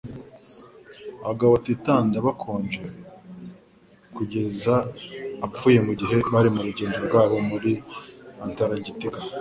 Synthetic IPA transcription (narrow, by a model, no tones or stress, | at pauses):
aβaɡaβatitaːndaβakʰo̞ːnd͡ʒe | kuɟe̞zaː | p͡fuːje̞muɟiɦe̞βaɾimuɾuɟe̞ːnzɾoɾɡwaːβo̞muɾiantaɾaɟitiɡa